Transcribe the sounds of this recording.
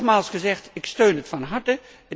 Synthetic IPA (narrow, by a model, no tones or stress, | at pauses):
χmaːlˠsχəzɛχtɪkstøɥnətfɑnɦɑɹtə | ə